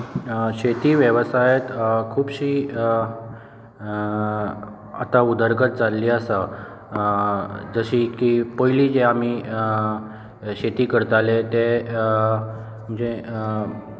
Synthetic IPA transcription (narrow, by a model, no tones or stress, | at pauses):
ɕet̪iːʋjəʋsajet̪kʰuːbɕiː | a̰t̪aud̪əɾɡət̪̚d͡zalːiːəsə | d͡zəɕiːkipəɦiliːd͡zeam̤iː | ɕet̪iːkəɾt̪alet̪e | m̤əɳd͡ze